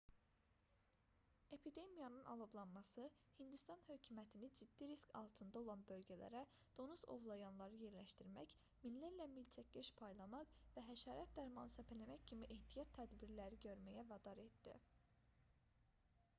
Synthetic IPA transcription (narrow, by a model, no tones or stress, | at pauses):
e̞pʰid̪e̞mijɑnɯnʔɑ̰lˠoblˠɑnmɑsɯ | hind̪ist̪ɑnhø̞cʰumæt̪ʰinid͡ʒid̪ːiɾiskʰɑ̰lˠt̪ʰɯnd̪ɑo̞lˠɑnbø̞lɟælæ̰ɾæ | d̪̥o̞nuzo̞̰vlˠɑjɑnlˠɑɾɯje̞ɾlæʃt̪iɾmæç | minlæɾlæmilt͡ʃʰæc̚ːeʃpʰɑjlˠɑmɑqvæɦæʃɑːɾɑt̪̚d̪æɾmɑnɯsæpʰælæmæccʰimiʔeht̪ʰijɑt̪ʰːæd̪biɾlæɾiɟø̞ɾmæjævɑd̪ɑɾe̞t̪d̪ḭ